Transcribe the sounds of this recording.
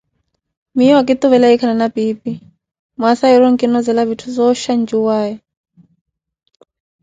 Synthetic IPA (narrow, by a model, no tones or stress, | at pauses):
mijɔwak̬it̪uβɛlaikʰananapipi | masaiɾɔŋkʼinɔzɛlaβitʰuzɔʃand͡ʒuwaːjɔ